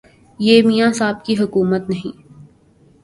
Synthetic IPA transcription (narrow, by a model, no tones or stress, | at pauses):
jeːmijãsaːb̚kiɦʊkuːmət̪nɐɦĩː